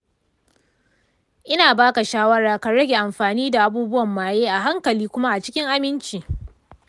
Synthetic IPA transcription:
ʔɪ˦naː˨baː˦ka˨ʃaː˦wɐ˦ɽaː˨ka˨ɽɐ˦ɡʲe˨ʔa˨mɸaː˨niː˦da˨ʔa˨buː˦bʊ˦wɐ˨mːaː˨jeː˦ʔa˨ɦa˦ŋkɐ˨liː˦kʷʊ˦ma˦ʔa˨t͡ʃɪ̥˦kʲɪ˦ŋʔa˦mɪ˦nt͡ʃiː˨

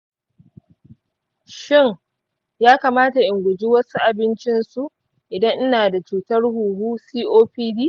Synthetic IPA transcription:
ʃɪ˦ŋ | jaː˦ka˨maː˦ta˨ʔɪ˨ŋɡʷʊ˨d͡ʒiː˦wɐ˦su˦ʔa˨bɪ˦nt͡ʃɪ˦nsu˦ʔ | ʔɪ˨dɐ˦ŋʔɪ˦naː˨da˨t͡ʃuː˨tɐ˦rhuː˨huː˦siː˦ʔoː˦ɸiː˦diː˦

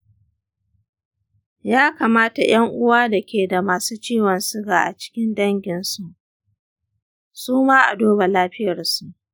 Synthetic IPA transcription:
jaː˦kaː˨maː˦ta˨j̰ɐ˦ŋʔʊ˦waː˦da˨kʲʰeː˨da˨maː˨suː˦t͡ʃiː˦˨wɐ˨nsʊ˦ɡaː˨ʔa˨t͡ʃɪ̥˦kʲɪ˦ndɐ˦ŋɡʲɪ˨nsu˦ʔ | suː˦maː˦ʔa̰˨doː˦ba˨laː˦ɸɪ˦jɐ˨rsu˦ʔ

